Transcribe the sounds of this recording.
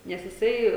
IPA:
nʲɛs jɪˈsɐɪ

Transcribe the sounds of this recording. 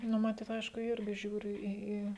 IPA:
ˈnʊ mɐˈtʲiːt ˈɐɪʃkʊ ˈɪrʲɡʲɪ ˈʒʲuːrʲɪ ˈiː ˈiː

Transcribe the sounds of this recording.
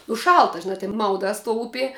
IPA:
ʊ ˈʃɐlˠtɐ ʒʲɪˈnɐ tʲɪn ˈmɐʊdɑːs tuɔ ˈʊpʲiɛ

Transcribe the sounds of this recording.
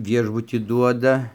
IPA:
ˈʋʲiɛʒbʊtʲiː ˈduɔdɐ

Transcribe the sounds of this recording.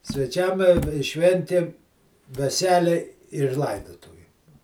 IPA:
sʲʋʲɛˈt͡ʃʲɛm ɪ ɪ ˈʃʲʋʲɛnʲtʲeːm ʋʲɛˈsʲæːlʲɛɪ ɪr ˈlˠɐɪdoːtʊʋʲeːm

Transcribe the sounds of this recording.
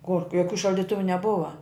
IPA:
koːrk joːˈkʲuː ʃɐlʲdʲɪˈtʊʋʊ nʲɛˈbʊʋɐ

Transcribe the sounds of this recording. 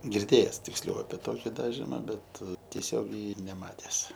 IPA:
ɡʲɪrʲˈdʲeːjɛs tʲɪksʲˈlʲɛʊ ɐpʲɛ ˈtoːkʲɪ ˈdɑːʒʲɪmɐ ˈbʲɛt tʲiɛˈsʲoːɡʲɛɪ nʲɛˈmɑːtʲɛs

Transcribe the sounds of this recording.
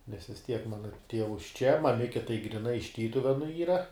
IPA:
nʲɛs ʋʲɪs ˈtʲiɛk ˈmɑːnɐ ˈtʲiɛʋʊs t͡ʃʲɛ mɐˈmʲɪkʲɛ tɐɪ ɡrʲɪˈnɐɪ ɪʃ ˈtʲiːtʊʋʲɛnʊ ˈiːrɐ

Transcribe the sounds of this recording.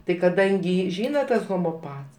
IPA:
tɐɪ kɐˈdɐŋʲɡʲɪ ˈʒʲiːnɐ ˈtɐs ɣoːmoːˈpɐts

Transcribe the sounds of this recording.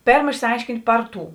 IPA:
ˈpʲeːrm ɪʃʲsʲɪˈɐɪʃʲkʲɪnʲtʲ ˈpɐr ˌtuː

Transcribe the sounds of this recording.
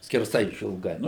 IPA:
sʲkʲɛrˈsɐɪ ɪʃʲɪlˠˈɡɐɪ

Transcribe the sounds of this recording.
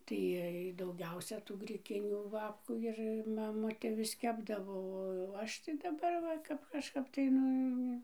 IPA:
tɐɪ ˈiɛj dɐʊˈɡʲɛʊsʲɛ tuː ɡrʲɪˈkʲɪnʲuː ˈbɑːpkuː ˈɪr mɐˈmʊtʲeː ʋʲɪs ˈkʲæːbdɐʋoː oː ˈɐʃ tɐɪ dɐˈbɐr ˈʋɐ ˈkɐp kɐʃˈkɐp tɐɪ ˈnʊ

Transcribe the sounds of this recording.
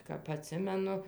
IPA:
kɐp ɐˈtʲsʲɪmʲɛnʊ

